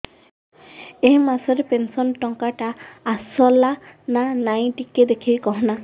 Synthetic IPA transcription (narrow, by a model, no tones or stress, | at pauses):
eɦmasɔɾepensɔnʈɔŋkaʈaːsɔlananaj̃ʈiked̪ekʰijkɔɦɔna